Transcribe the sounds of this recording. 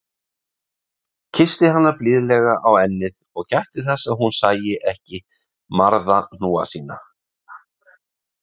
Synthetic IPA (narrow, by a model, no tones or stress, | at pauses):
cʰɪst̪ɪhan̪ːaplɪːðlɛɣaʔawɛnːɪðɔɣcajht̪ɪθɛsːaɦunsaːjɪʔɛhcɪ | maɾðan̥uːa̰siːna̰